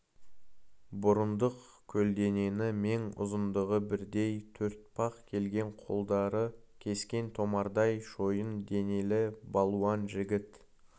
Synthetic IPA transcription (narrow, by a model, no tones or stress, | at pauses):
bʊɾənd̪əq | kʲʰɵld̪e̞ne̞nɪme̞ŋʊ̰zənd̪əʁəbɪɾd̪e̞jt̪ʰɵɾt̪̚pʰɑqkʲʰe̞lɡʲe̞ɴqʰolˠd̪ɑɾə | kʲʰe̞skʲe̞nt̪ʰo̞mɑɾd̪ɑjʃo̞jənd̪e̞ne̞lɪbɑlˠuɑnʒɪɡʲɪt̪